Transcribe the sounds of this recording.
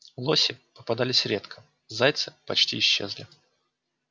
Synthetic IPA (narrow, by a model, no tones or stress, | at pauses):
lˠo̞sʲɪpəpɐd̪alʲɪsʲɾʲet̪kʰə̥ | zajt̪sɨpɐt͡ɕtʲḭːɕːe̞zlʲɪ